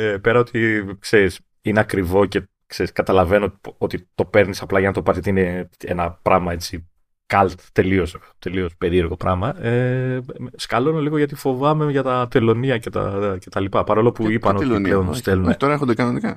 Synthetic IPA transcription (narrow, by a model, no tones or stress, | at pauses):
epe̞ɾɐo̞t̪ikse̞ɾis | ine̞ɐkɾivo̞ce̞ | kseɾiskɐt̪ɐlɐve̞noot̪it̪o̞pe̞ɾnisɐplɐʝɐnɐt̪opɐzʝɐt̪iineḛnɐpɾɐmɐe̞t͡si | kɐlt̪t̪ːe̞lio̞s | t̪e̞lio̞spe̞ɾie̞ɾɣo̞pɾɐmɐe | skɐlo̞noliɣo̞ʝɐt̪̬ifo̞vɐme̞ʝɐt̪ɐt̪e̞lo̞niɐce̞t̪ɐ̰ce̞t̪ɐlipɐpɐɾolo̞puipɐnoleonst̪elunt̪oɾɐexod̪ekɐnonikɐ